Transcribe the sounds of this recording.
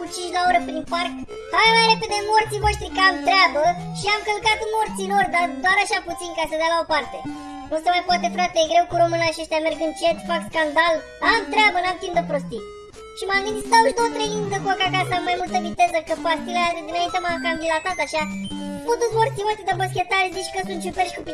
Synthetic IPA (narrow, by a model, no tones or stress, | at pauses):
kut͡ʃint͡ʃlaoɾəpɾinpark | avemajɾe̞pe̞d̪emo̞rt̪sivo̞ʃt̪ɾikəamt̪ɾeabə | ʃiamkəlkat̪mo̞rt̪silo̞rd̪ad̪oaɾaʃaput̪sinkasəd̪jalao̞part̪e̞ | nusəmajpoat̪e̞fɾat̪elejeɡɾe̞wkuɾomɨnaʃiaʃt̪ʲamerɡɨnt͡ʃe̞t̪fakskand̪al | amt̪ɾeabənamt̪sind̪əpɾo̞st̪i | ʃimaŋɡɨnst̪auʃd̪owət̪ɾeind̪əkuokakasəamːajmult̪əvit̪e̞zəkəpat̪ilead̪ed̪inaint̪emakəamvilat̪at̪aʃapot̪ut̪smo̞rt̪sivoʃt̪ɾid̪amoskʲet̪aɾzit͡ʃkəsunt̪t͡ʃuperʃikup